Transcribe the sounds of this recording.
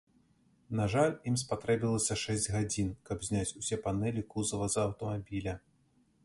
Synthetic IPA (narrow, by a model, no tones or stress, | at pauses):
naʐalʲimspat̪ɾɛbʲilˠɐsʲɐʂɛzʲd͡zʲɣad͡zʲinkɐbzʲnʲat͡sʲusʲɛpanɛlʲikuzɐvɐzɐːwt̪ɐmabʲilʲɐ